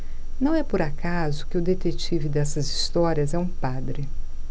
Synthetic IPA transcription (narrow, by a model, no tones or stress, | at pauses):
nɐ̃w̃ɛpoɾakazʊkɪʊd̪et̪et͡ʃivɪd̪ɛsɐzist̪ɔɾiɐzɛũpad̪ɾɪ